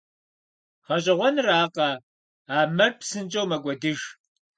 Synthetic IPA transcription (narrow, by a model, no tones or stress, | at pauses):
χɐɕʼɪʁʷɔnraːqɐ | aːmɐrpsɨnt͡ʃʼɐwmɐɡʷɔdɨʒ